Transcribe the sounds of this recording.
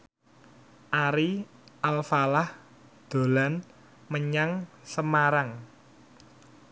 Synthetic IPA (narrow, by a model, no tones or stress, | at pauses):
ʔaɾi | ʔalfalah | d̪̥o̤lan | məɲaŋ | səmaɾaŋ